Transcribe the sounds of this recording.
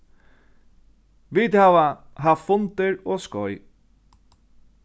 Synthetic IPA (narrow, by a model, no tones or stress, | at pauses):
ʋiːt̪haːʋaɦaffʊnt̪ɪɹoːskɔj